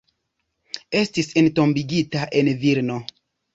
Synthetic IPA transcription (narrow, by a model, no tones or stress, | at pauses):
e̞stisento̞mbiɡitaʔe̞nviɾno̞